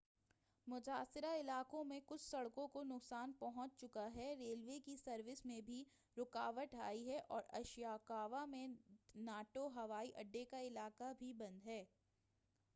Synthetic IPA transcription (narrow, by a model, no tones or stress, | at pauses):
mʊt̪aːsɪɾaɪlaːkõmẽkʊt͡ʃʰsɐɽkõkonʊksaːnpɐɦɔ̃t͡ʃt͡ʃʊkaɦɛɾeːlʋekisɐɾʋɪsmẽbʱi | ɾʊkaːʋəʈaːiɦɛʔɔːɾɐʃjaːkaːʋamẽnaːʈoɦɐʋaːiʔɐɖːekaɪlaːkabʱibɐ̃nd̪ɦɛː